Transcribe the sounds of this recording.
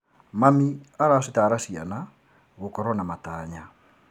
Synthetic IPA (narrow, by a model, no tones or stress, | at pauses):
mamiaɾasitaːɾasia̰na | ɣukɔɾɔnamataːɲa